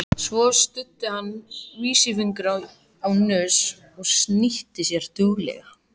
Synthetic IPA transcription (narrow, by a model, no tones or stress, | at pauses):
svɔst̪ʏt̪ːɪhanːviːsɪfiŋkɾaw | awnœːs | ɔɣsniht̪ɪsjɛɾ̥t̪ʏɣlɛ̰ɣa